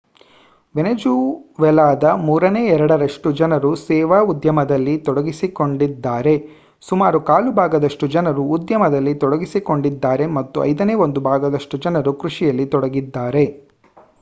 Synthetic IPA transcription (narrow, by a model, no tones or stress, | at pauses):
ʋenɐd͡ʒuːʋɛlaːd̪ɐmuːɾɐneːɛɾɐɽɐɾɐʂʈud͡ʒɐnɐɾusɛːʋaːud̪jɐmɐd̪ɐlːit̪ɔɽɐɡisiko̞ɳɖid̪ːaːɾe̞ | sumaːɾukaːlubʱaːɡɐd̪ɐʂʈud͡ʒɐnɐɾuːd̪jɐmɐd̪ɐlːit̪ɔɽɐɡisiko̞ɳɖid̪ːaːɾe̞mɐt̪ːuɐ̰jd̪ɐneːo̞nd̪ubʱaːɡɐd̪ɐʂʈud͡ʒɐnɐɾukɾuʂijɐlːit̪ɔɽɐɡid̪ːaːɾe̞